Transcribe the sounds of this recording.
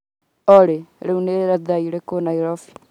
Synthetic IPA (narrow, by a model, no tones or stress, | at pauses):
ɔɾeɾeuneɾaðaiɾekonaiɾɔfi̥